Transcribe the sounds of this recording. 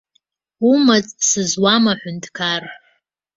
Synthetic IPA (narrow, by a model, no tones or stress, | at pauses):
umat͡sʼsɨzwamaħʷʊntʰʼkʰarħ